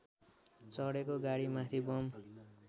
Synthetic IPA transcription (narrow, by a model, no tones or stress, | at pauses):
t͡sʌɽekoɡaɽimat̪ʰibʌm